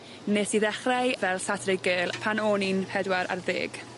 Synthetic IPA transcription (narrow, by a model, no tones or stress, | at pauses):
neːsiðɛχrajvɛlˠsatʰrɪɡelˠpʰanoːninpʰɛdwaɾa̰rðḛːɡ̥